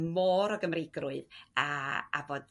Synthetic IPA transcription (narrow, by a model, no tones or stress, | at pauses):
mɔːɾɔɡəmrɪɡrʊɨðaa̰boːd